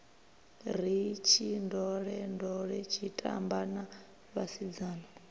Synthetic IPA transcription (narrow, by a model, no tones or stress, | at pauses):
ɾ̤it͡ʃʰindɔɺɛndɔɺɛt͡ʃʰitʼa̰mbana | βasid͡zaːna